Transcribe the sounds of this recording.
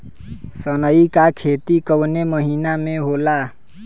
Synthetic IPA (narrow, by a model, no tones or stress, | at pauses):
sənəikakʰeːt̪ikəwneməɦiːnamẽɦoːla